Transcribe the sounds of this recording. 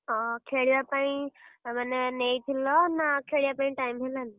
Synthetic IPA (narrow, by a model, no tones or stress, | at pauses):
ɔkʰeɽijapaĩmanenejt̪ʰilɔnakʰeɽijapaĩʈajmɦelani